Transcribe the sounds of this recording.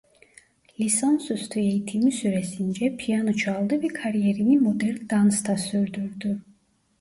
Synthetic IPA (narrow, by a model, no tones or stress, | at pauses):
lʲisansøst̪ʰyejit̪ʰimisyɾɛsind͡ʒɛpʰijanot͡ʃʰɑlˠd̪ɯvɛkʰaɾijeɾinimod̪ɛɾnd̪anst̪ʰasyɾd̪yɾd̪y